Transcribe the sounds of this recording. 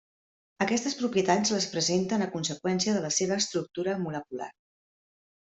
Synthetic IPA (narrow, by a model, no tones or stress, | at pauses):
əkɛst̪əspɾupjət̪alzləspɾəzent̪ənəkunsəkwɛnsiəðələseβ̞əːst̪ɾuk̚t̪uɾəmuləkula̰r